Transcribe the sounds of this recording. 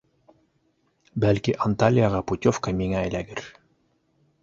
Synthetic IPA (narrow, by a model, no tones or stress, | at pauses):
bælkiʔɐnt̪alʲijɑʁɑput̪ʲofkɑmiŋæːjlæɡɘɾ